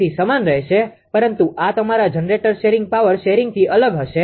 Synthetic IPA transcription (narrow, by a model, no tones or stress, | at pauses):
isəmanɾəɦʃe | pəɾənt̪uʔat̪əmaɾad͡ʒənɾeʈəɾʃeɾɪ̃ŋɡ̚paʋəɾʃeɾɪ̃ŋɡ̚t̪ʰiʔələɡɦəʃe